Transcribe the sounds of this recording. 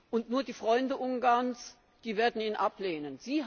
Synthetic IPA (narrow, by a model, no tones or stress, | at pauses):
ʔʊntnuːɐdiːfʁ̥ɔʏndəʔʊŋɡaɐnt͡s | d̥iːveːɐdn̩iːnʔapleːnənz̥iː